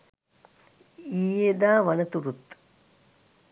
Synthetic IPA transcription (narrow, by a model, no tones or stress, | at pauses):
iːed̪aːʋɐnɐt̪uɾut̪